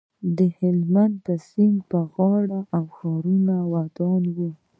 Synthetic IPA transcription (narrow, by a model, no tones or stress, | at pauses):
d̪əhɪlmand̪̚pəsiŋɡpəɣɑɽaʔːwxɑɾunawad̪ɑnwu